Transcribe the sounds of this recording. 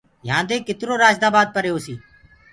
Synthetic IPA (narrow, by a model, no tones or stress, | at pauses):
jãːnd̪eːkɪt̪ɾoːɾaːd͡ʒd̪aːbaːd̪̚pəɾejoːsiː